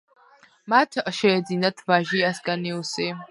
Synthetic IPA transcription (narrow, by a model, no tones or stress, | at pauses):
matʰaʔʃajad͡zinatʰvaʒiaskʼaniuse